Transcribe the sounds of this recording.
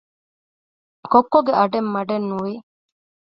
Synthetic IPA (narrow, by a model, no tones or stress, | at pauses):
kokːoɡeɐɖemːɐɖenːuʋi